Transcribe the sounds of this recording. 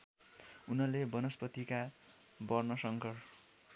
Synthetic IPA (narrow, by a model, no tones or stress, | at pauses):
unʌlebʌnʌspʌt̪ikabʌrnʌsʌŋkʌr